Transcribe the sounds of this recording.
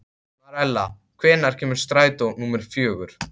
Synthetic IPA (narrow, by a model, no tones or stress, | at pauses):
maɾɛlːa | kʰvɛːnaɾ̥cʰɛːmʏɾ̥st̪ɾaːjt̪onuːmɛɾ̥fjœːɣʏɾ̥